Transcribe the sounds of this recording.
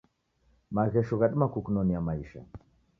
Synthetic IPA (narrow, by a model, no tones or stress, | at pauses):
maɣɛʃuɣaɗmakukunɔnijamaiʃa̰